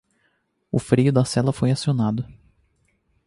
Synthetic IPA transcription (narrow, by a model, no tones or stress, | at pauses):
ʊ̰fɾiʊd̪ɐsɛlɐfojasionad̪ʊ